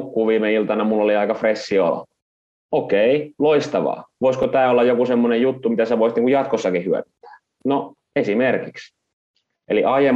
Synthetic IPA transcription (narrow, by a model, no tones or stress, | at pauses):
kːuːʋiːmeilt̪ɑnɑmulːoliɑikɑfresːio̰lo̰ | okeiloist̪ɑʋɑ̰ːʋoiskot̪æːolːɑjokusemːonejjut̪ːumit̪æsæʋoˑist̪niːŋkujɑt̪kosːɑkihyæ̰nyt̪ːæ̥ː | no | esimerkiks | ʔḛliʔɑjem